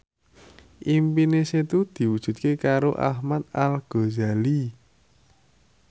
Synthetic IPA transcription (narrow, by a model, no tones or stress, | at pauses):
ʔimpineset̪ud̪̥i̤wud̥ʒ̥ṳt̪̚kekaɾoʔa̰hmat̪̚alɡ̥o̤zali